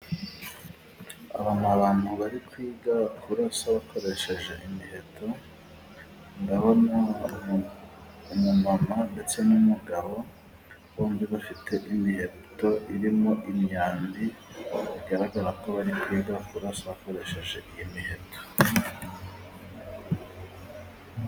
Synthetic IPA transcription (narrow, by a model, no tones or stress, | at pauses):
a̰βamaβaːnhuβaɾikwiːɡakuɾasaβakʰo̞ɾe̞ʃe̞ʒe̞ʔimihe̞tʰo̞ | ŋɡaβana | umumamande̞t͡se̞numuɡaβo̞ | βoːmbiβafitʰe̞ʔimihe̞to̞ʔiɾimo̞ʔimɲaːnbiβiɡaɾaɡaɾako̞βaɾikwiːɡakuɾasaβako̞ɾe̞ʃe̞ʒe̞ʔijimihe̞tʰo̥